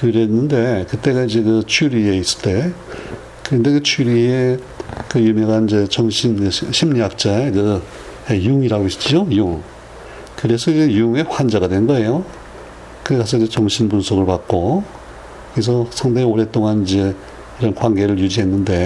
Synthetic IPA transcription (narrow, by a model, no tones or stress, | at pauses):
kɯɾenːɯnde̞kɯt͈e̞ɣaid͡ʑe̞kɯt͡ɕʰuɾie̞is͈ɯ̥t͈e̞ | kɯɾʌnde̞kɯt͡ɕʰuɾie | kɯjumjʌŋɦanid͡ʑe̞t͡ɕʌŋɕʰinkɯɕʰimɲijak̚t͡ɕ͈aekɯ | ejuŋiɾaɡoist͡ɕ͈iojuŋ | kɯɾe̞sʰʌid͡ʑejuŋe̞ɸwand͡ʑaɡadwe̞nɯnɡʌe̞jo | kɯkas̬͈ʰʌd͡ʑet͡ɕʌŋɕʰinpunsʰoɡɯɭpat̚k͈o | kɯkes̬ʰʌsʰaŋdeioɾe̞t͈oŋanid͡ʑe̞ | iɾʌnkwaŋɡe̞ɾɯɭjud͡ʑiɦe̞nːɯnde̞